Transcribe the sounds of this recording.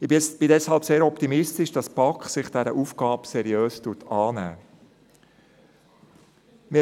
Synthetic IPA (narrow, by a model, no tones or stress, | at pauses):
ɪb̥ɪdɛshɑlpseːɾɔpt̪imɪstɪʃd̥ɑspɑkχsɪχd̥ɛɾəʔuːfɡ̥ɑːpsɛɾiøːstuːtʰɑːnæ̰ː | mɪ